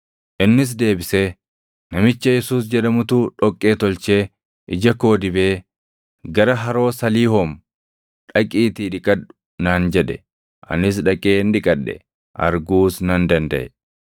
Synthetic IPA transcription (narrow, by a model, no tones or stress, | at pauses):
ʔɪnːɪs̬d̪e̞ːbɪseː | nɐmɪt͡ʃːɐjɛsuːs̬d͡ʒɛᶑɐmʊt̪uːᶑɔkʼːeːt̪ɔlt͡ʃe̞ː | ʔɪd͡ʒɐko̞ːd̪ɪbe̞ː | ɡɐɾɐɦɐɾo̞ːsɐliːhɔm | ᶑɐkʼiːt̪iːᶑɪkʼɐᶑʊ̥ | naːnd͡ʒɛᶑɛ | ʔɐ̰nɪs̬ᶑɐkʼeːnᶑ̪ɪkʼɐɗːɛ̰ | ʔɐ̰ɾɡuːsnɐnd̪ɐnd̪ɐʔɛ